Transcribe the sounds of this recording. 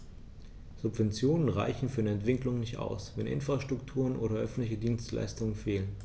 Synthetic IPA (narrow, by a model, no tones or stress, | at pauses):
z̥ʊpv̥ɛnt͡sjoːnənʁa̰ɪçn̩fyːɐnəɛntv̥ɪklʊŋnɪçta̰ʊsvɛnʔɪ̰nfʁ̥aʃtʁ̥ʊktʰuːʁ̞ənʔoːɾɐʔœfn̩tlɪçədiːnstla̰ɪstʊŋənfeːlən